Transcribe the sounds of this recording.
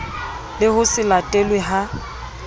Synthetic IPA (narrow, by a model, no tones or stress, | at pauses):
lɪhʊsɪlatʼɛlweɦa